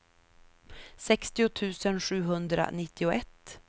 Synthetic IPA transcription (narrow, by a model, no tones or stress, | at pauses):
sɛkst̪ɪʊt̪ʰʉ̟ːsənɧʉ̟ːɦɵnd̪ɾa̰nɪt̪ʰːɪʊʔɛt̪ː